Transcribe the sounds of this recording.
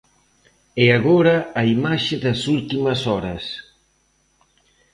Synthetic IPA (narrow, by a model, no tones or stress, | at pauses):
ɛaɣoɾɐːimaʃɪðɐsult̪imɐsɔɾɐs